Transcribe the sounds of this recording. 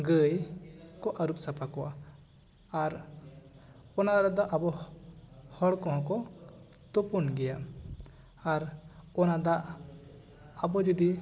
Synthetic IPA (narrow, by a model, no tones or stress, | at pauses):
ɡəjkɔʔaɾup̚sapʰakɔwa̰ː | ɾ | ɔnaɾad̪ɔʔabɔ | hɔɽkɔɦɔ̃kɔ | t̪ɔpɔnɡɛja | aɾɔnad̪aʔ | abɔd͡ʒɔd̪i